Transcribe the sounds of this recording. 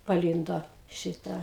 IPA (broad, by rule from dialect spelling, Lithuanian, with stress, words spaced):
pɐˈlʲiːndoː ˈʃʲɪtɑː